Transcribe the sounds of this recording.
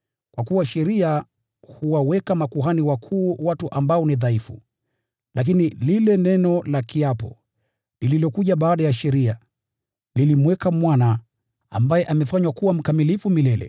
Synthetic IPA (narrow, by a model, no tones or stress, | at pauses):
kwakuwaʃɛɾia | huwawɛkamakuɦaniwakʰuːwatuʔambaɔniðaifṵ | lak̬inililɛnɛnɔlakiapɔ̰ | lililɔkuʄaɓaːɗajaʃɛɾia | lilimwɛkamwana | a̰mbajɛʔamɛfaɲwakuwam̩kamilifumilɛlɛ̰